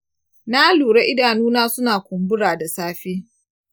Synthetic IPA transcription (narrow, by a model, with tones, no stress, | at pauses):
naː˦luː˨ɽa˦ʔɪ˦daː˨nuː˦naː˦sʊ˦naː˨kʷʊ˨mbʊ˦ɽaː˨da˨saː˦ɸiː˦